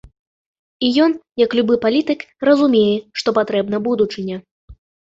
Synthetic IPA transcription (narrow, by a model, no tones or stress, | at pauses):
ijɔnjɐklʲubɨpalʲit̪ɨkrɐzumʲejɛʂt̪ɔpat̪ɾɛbnɐbud̪ut͡ʂɨnʲɐ